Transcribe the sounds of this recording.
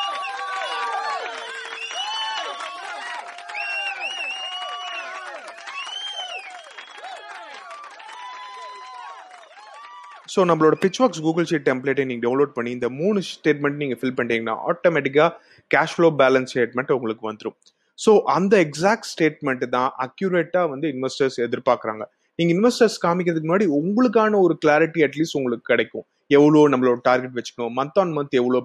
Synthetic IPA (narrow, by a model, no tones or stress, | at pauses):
soːnɐmːɐɭoːɽɐpɪt͡ʃːʋaːks̬ɡuːɡɐlsiːʈ̚ʈɛmpleːʈːeniːŋɡɐɖɐʊnloːɖ̚pɐɳːiɪnd̪ɐmuːnɯsʈeːʈmɛɳʈniːŋɡɐfɪlpɐɳɖiːŋɡɐnːã̰ːʔa̰ːʈoːmɛʈɪk̬ːaː | kaːʃfloːbaːlɐnsʈeːʈ̚mɛɳʈʊŋɡɐɭɯkːɯʋɐnd̪ɯɾʊ̃ | soːʔɐnd̪ɐɛksaːk̚ʈsʈeːʈmɛɳʈt̪ãːʔɐkːjʊɾeːʈːaːʋɐnd̪ɯɪnʋɐɾsʈɐɾsɛðɪɾpaːkɪɾa̰ːŋɡɐ | niːŋɡɐɪnɪʋɐɾsʈɐɾskaːmɪkːɪɾɐðɯk̬ːmnaːɽiʊŋɡɐɭɯk̬ːaːnɐɔɾɯklaːɾɪʈːiɐʈliːsʈʊŋɡɐɭɯkːɯ̥kːɐɽɛɪkːʊ̃ | ɛʋːɐɭoːnɐmːɐɭoːɽɐʈaːɾɡɛʈ̬ʋɛt͡ʃːɯ̥kːɐɳʊ̃mɐnt̪ːaːnmɐnt̪ɛʋːɐɭoː